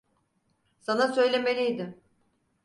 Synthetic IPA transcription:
sanasø̞jlʲe̞me̞lʲijd̪ɪ

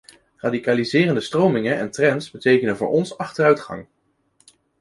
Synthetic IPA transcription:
raːdikaːlizɪːrəndəstrowmɪŋəɛntrɛntsbətejkənəvʊ̰ːɹʔɔnsɑχtərœɥtχɑ̰ŋ

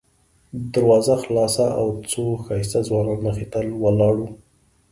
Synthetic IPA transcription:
d̪aɾwɑzaxlɑsaʔawt͡soxɑjsazwɑnɑnːəxit̪əlwəlɑɽu

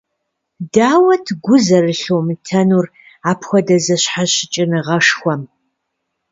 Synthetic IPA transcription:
daːwɐtʰɡʷʊzɐrɨɬoːmɨtʰɐnuːr | aːpʰxʷɔdɐzɐɕħaɕɪt͡ʃʼɪnɨʁɐʂxʷɔm

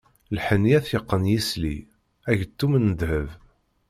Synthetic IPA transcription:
lħənːiæθjəqːənjislḭ | æʝt̪ːumənːəd̪həv

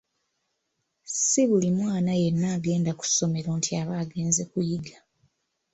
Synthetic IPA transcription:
siβulimwaːnaje̞nːaːɡe̞ːndaku̥so̞me̞ɾoːntʰiaβaːɡe̞ːnze̞kujiɡa

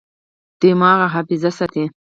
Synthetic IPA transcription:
d̪̥emɑːɣaɦafɪzasat̪e

